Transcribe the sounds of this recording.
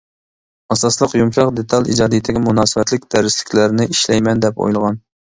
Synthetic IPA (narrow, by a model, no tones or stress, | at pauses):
ɑsɑslˠəqjumʃɑqd̪et̪ʰɑlˠḭd͡ʒɑːd̪ijt̪ʰɪɡʲɛmunɑːsɨvɛt̪lɪk̚ʲd̪æɾɪslɪ̥kʲʰlæɾnɪʔiʃlɛjmɛnd̪ɛpo̰jlˠʁɑn